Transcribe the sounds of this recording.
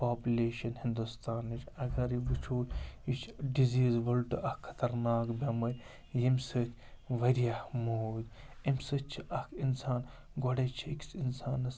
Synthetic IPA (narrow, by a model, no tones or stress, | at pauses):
paːpʲulʲeːʃɐnhind̪ust̪aːnit͡ʃʰɐɡɐɾibut͡ʃʰuːlʲit͡ʃʰɖiziːzʋɐlʈɨʔɐkʰːɐ̥t̪ɐɾnaːkbʲɐmɐ | jimʲsɨt̪ʰʲ | ʋɐɾijahmoːd̪ʲ | ɐmsɨt͡ʃʰiʔɐkʰinsaːn | ɡoɽet͡ʃʰiksinsaːnɐs